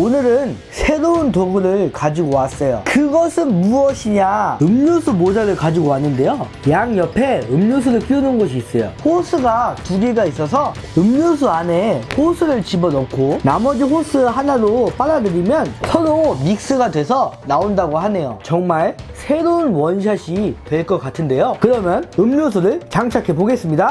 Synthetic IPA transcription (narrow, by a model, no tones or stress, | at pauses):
onɯɾɯn | sʰe̞ɾountoɡuɾɯɭkad͡ʑiɡowas͈ʌjo̰kɯɡʌsʰɯnmuʌɕʰiɲaɯmɲosʰumod͡ʑaɾɯɭkad͡ʑiɡowanːɯnde̞jo | jaŋjʌpʰe̞ɯmɲos̬ʰuɾɯɭk͈iunɯnɡʌɕ̬ʰiːs͈ʌjo̰ɸosʰɯɡatuɡiɡais͈ʌs̬ʰʌ | ɯmɲos̬ʰuaneɸosʰɯɾɯɭt͡ɕibʌnʌk̚kʰonamʌd͡ʑiɸosʰɯɦanaɾop͈aɾadɯɾimjʌnsʰʌɾomik̚s͈ɯɡadwe̞sʰʌnaondaɡoɦane̞jo̰t͡ɕʌŋmaɭ | sʰe̞ɾounwʌnɕ̬ʰaɕʰitwe̞ɭk͈ʌk͈atʰɯnde̞jokɯɾʌmjʌnɯmɲos̬ʰuɾɯɭt͡ɕaŋt͡ɕʰakʰe̞poɡe̞s͈ɯmɲida